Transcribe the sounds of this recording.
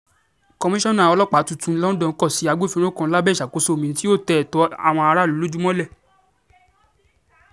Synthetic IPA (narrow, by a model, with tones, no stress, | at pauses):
kɔ˧mĩ˦ʃɔ̃˦nã˦˨ɔ˧lɔ˦k͡pa˨˦tu˦˨tũ˨˧˦lɔ̃˦n̩˦dɔ̃˧˨˦kɔ˦˨si˨˦a˧ɡ͡bo˦˨fĩ˧ɾ̃õ˦kã˧˦la˦bɛ˦˨ʃa˨ko˧˦so˦˨mĩ˨n̩˦ti˦o˦˨tɛ˨tɔ˨˧˦a̰˦˨w̃ɔ̃˧a˧ɾa˦˨lo˨˦lo˦d͡ʒu˦mɔ̃˦lɛ˦˨